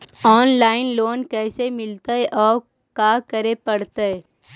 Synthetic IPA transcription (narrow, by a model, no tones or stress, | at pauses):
ɔːnlaːɪnloːnkɛːsemɪlt̪aɦɛʔɔːɾ | kaːkəɾepɐɽt̪aɦɛ